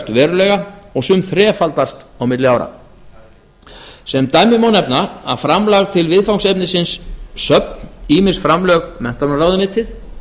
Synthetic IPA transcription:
t̪vɛːɾʏlɛːɣaɔɣsʏmθɾɛːfalt̪ast̪awmɪt̪lɪaːwɾa̰ | sɛmt̪aːjmɪmawnɛpnaa̰ðfɾamlaɣt̪ʰɪlvɪðfawŋksɛpnɪsɪnsːœp̚niːmɪsfɾamlœːɣmɛn̥t̪anraːwðɪnɪːt̪ʰɪθ

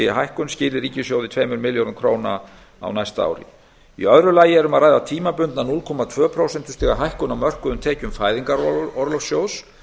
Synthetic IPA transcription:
ɪɦajhkʏnscɪːlɪɾiːcɪsjowðɪt̪ʰveːjmʏɾmɪljowɾʏmkʰɾoːwna̰ | a̰wnajst̪a̰ːwɾɪ̰ | ḭœðɾʏlaːjɪɛɾʏmaðɾaːjðat̪ʰiːmapʏnt̪nanulkʰɔːmat̪ʰv̥œːpʰɾowsɛnt̪ɪst̪ɛɣaɦajhkʏnawmœr̥kʏðʏmt̪ʰɛːcʏmfaːjðiŋkaɾɔɾlɔwfsjoːwðs

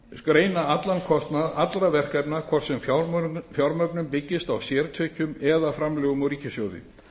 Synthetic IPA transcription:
skɾeːjnaat̪lankʰɔst̪naðat̪lɾavɛr̥kajpnakʰɔr̥sɛmfjawɾmœpnʏmpɪcːɪst̪awsjɛːɾt̪ʰœːcʏmɛðafɾamlœːɣʏmawɾiːcɪsjɔːwðɪ̰

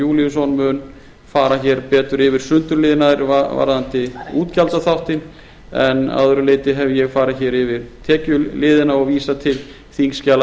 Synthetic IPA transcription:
juːliʏsɔnmʏːn | faːɾaçɛɾpɛːt̪ʏɾɪvɪɾ̥sʏnt̪ʏɾlɪːðɪnaɪɾvava̰ɾðant̪ɪuːt̪calt̪aθawht̪ɪn | ɛna̰ðʏɾʏleːjt̪ɪɦɛvɪjɛɣfaːɾaçɛːɾɪvɪɾt̪ʰɛːcʏlɪːðɪnaɔviːsat̪ʰɪl | θiŋscaːl

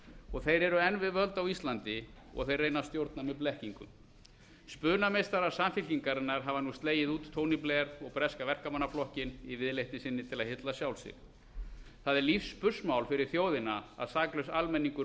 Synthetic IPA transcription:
ɔɣθejɾɛɾʏɛnvɪðvœlt̪awist̪lant̪ɪɔ̰ɣθejrejnast̪jowɾt̪namɛðplɛhciŋkʏ̰m | spʏːnamejst̪aɾḁsamfɪlciŋkaɾɪnːaɾ̥ɦavanuːst̪leːjɪðuːt̪t̪ʰːoːwnipleaɾɔɣpɾɛskavɛr̥kamanːaflɔhcɪnivɪðlejht̪ɪsɪnːɪt̪ʰɪlaðhɪt̪lasjawlsɪ̰ɾ̥ | θaðɛɾlifspʏsmawlfɪɾɪɾ̥θjoːwðɪnaa̰ðsaːklœɥsalmɛnːiŋkʏ

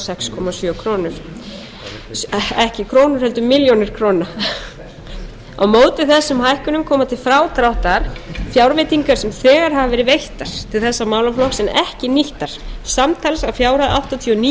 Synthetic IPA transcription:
sɛkskʰɔmasjœkʰɾoːnʏɾ̥ | sɛhcɪkʰɾoːnʏɾ̥hɛlt̪ʏmɪljonɪɾ̥kʰɾowna | a̰wmoːwt̪ɪθɛsːʏmhajhkʏnʏmkʰɔːmat̪ʰɪlfɾaːwt̪ɾawht̪aɾ̥fjawɾvejt̪iŋkaɾ̥sɛmθɛːɣaɾ̥ɦaavɛːɾɪvejht̪aɾ̥t̪ʰɪlθɛsːamawlaflɔhksɛnɛhcɪniht̪aɾ̥samt̪ʰalsawfjaːwɾaða̰wht̪at̪ʰːɔni

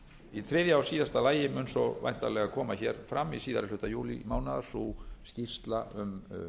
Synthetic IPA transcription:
iθʰɾɛːðjaawsiːðast̪alaːjɪmʏnsɔva̰jn̥t̪alɛɣakʰɔːmaçɛːɾ̥fɾamːisiːðaɾɪl̥ʏht̪ajuːlḭmaːwnaðḁsuscir̥st̪laʔʏm

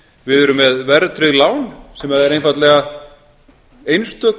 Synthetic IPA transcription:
vɪðɛɾʏmːɛðvɛɾt̪ɾɪðlaːwnsɛmhaðɛɾejnfat̪lɛɣa | ejnst̪œːk

